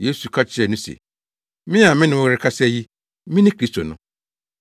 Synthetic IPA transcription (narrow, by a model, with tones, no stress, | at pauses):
jeː˦su˨kʰa˦t͡ɕʰɪ˦ɛ˨nʊ̃˦sḛ˨ | mɪ̃˦a˨mɪ̃˦nɪ̃˨wʊ˦ɣɾɪ˦kʰa˦sɛ˦˨ji˦ | mɪ̃˦nɪ̃˦kʰɾi˦stʰo˨nʊ̃˦